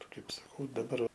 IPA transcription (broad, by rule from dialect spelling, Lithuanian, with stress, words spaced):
ˈkɐɪp sɐˈkɐʊ dɐˈbɐr